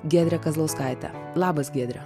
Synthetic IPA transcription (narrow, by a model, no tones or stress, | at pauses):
ɡʲeɛːd̪ʲɾʲɛkɐzlˠoːskɑˑɪt̪ʲɛ̰ | lˠɑːbɐsɡʲeːd̪ʲɾʲɛ